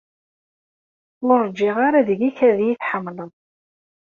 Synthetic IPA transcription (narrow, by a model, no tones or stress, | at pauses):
ləɾˤd͡ʒɪʁaɾaðəʝiçæðjiθħəmːləðˤ